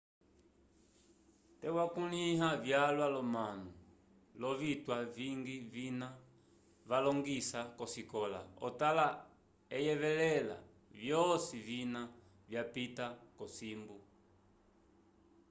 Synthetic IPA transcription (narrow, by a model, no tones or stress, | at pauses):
tɛwakunihavjalwalɔmanu | lɔvitwaviŋɡivina | valɔŋɡisakɔsikɔla̰ɔ̰tala | ɛjɛvɛlɛla̰ | vjɔsivina | vjapitakɔsimbu